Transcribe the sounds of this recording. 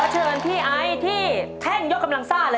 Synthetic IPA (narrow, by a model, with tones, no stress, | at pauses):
t͡ɕʰɤː˧npʰiː˥˩ʔa˦˥jt̪ʰiː˥˩t̪ʰɛ˥˩ŋjo˦˥k̚ːa˧mla˧ŋsaː˥˩lɤː˧